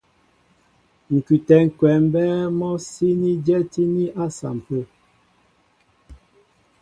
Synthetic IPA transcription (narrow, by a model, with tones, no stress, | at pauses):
ŋ̩˨kʉ˨tɛ˨ŋ̩˨kwɛ˨m˦bɛ˦mɔ˦si˦ni˦d͡ʒɛ˦ti˦ni˦ʔa˦sa̰˨m̩˨pə˦˨